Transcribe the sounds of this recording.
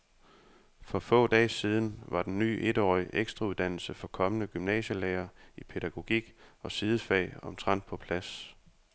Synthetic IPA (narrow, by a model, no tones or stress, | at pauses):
fɒ̽fɔ̰̽ːd̥ɛ̰ːsiːð̞ˠn̩ʋɑ̈d̥enːy̰ːʔe̝d̥ɒ̰ːiʔeɡ̥sd̥ʁɑuð̞ˠd̥æn̰l̩səfɒ̽kʰɒ̽mənəɡ̥ymnɛ̰ːɕəleːɐipʰe̝ɾ̥æɡ̥o̝ɡ̥iɡ̥ɒ̽sið̞ˠəfɛ̰ːɒ̽mt͡sʰʁɑ̈n̰d̥̚pʰɒ̽pʰlæs